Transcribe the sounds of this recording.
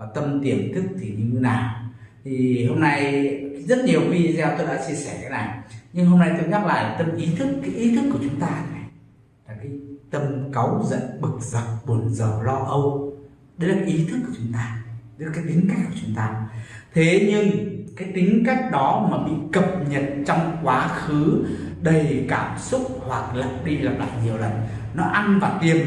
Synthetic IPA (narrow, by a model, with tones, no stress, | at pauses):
vaː˨˩t̪ə˧mt̪i˧˩əmt̪ɨ˦˥ək̚t̪ʰi˨˩ɲi˧˨˧naː˨˩wt̪ʰi˨˩ho˧mna˧jzə˦˥t̚ɲi˨˩əwxi˧˦˧zɛ˧wt̪o˧jɗa̰ː˧˥t͡ɕi˧əsɛ˧˩kaː˨˦na˨˩jɲɨ˧ŋɦo˧mna˧jt̪o˧jɲa˦˥t̚la̰ː˧˨jlaː˨˩t̪ə˧mʔi˨˦t̪ʰɨ˦˥kːaː˨˦jʔi˨˦t̪ʰɨ˦˥kːu˧˩ət͡ɕʊ˨˦ŋ͡mt̪aː˧na˨˩j | laː˨˩kaː˨˦jt̪ə˧mka˨˦wzə̰˧˨nɓɨ˨˩k̚za˨˩k͡p̚ɓo˨˦ənzəː˨˩lɔ˧ʔə˧w | ɗə˨˦laː˨˩ka˨˦jʔi˨˦t̪ʰɨ˦˥k̚ːu˧˩ət͡ɕʊ˨˦ŋ͡mt̪aː˧ɗə˨˦laː˨˩kaː˨˦jt̪ï˨˦ŋ̟ka˦˥k̚kːu˧˩ət͡ɕʊ˨˦ŋ͡mt̪aː˧˦t̪ʰe˨˦ɲɨ˧ŋkaː˨˦jt̪ï˨˦ŋ̟ka˦˥k̟̚ɗɔ˨˦maː˨˩ɓḭ˧˨kə˨˩p̚ɲə˨˩t̚t͡ɕɔ˧wŋ͡mkwaː˨˦xɨ˨˦ɗə˨˩jkaː˧˩msʊ˦˥k͡p̚hwa˨˩k̚lə̰˧˨nɗi˧lə˨˩p̚la̰ː˨˩t̚ɲi˨˩əwlə˨˩n | nɔ˨˦ʔa˧nvaː˨˩t̪i˨˩əm